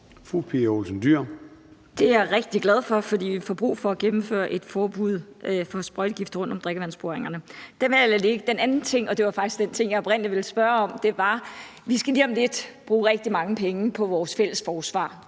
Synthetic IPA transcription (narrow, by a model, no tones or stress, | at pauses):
fʁupʰeolsən̩d̥yɐ̰d̥e̝æɐʁeɡ̥̚d̥iɡ̥læð̞ˠfɒ̽fɒ̽d̥ḭːʋifɒb̥ʁṵːfɒ̽æɡ̥emm̩fø̰ːɐʔe̝d̥fɒːb̥uð̰ˠfɒ̽sb̥ʁɔɪdɡ̥ifd̥ʁɔ̽nd̥ɒ̽md̥ʁeɡ̥əʋæn̰sb̥oɐeŋɐnəd̥enʋæelɐleɡ̥əd̥enænn̩t͡sʰe̝ŋ̰ɒ̽d̥e̝ʋɑ̈fɑ̈ɡ̥isɡ̥d̥ent͡sʰe̝ŋ̰jɑ̈ɪɒ̽b̥ʁɛn̰liʋe̝lsb̥ɶɐɒ̽md̥e̝ʋɑ̈ | ʋisɡ̥æliːɒ̽mle̝d̥b̥ʁuːʁɛɡ̥̚d̥imɑ̈ŋəpʰeŋəpʰɒ̽ʋɒːsfel̰əsfɒːsʋɑ̰̈ː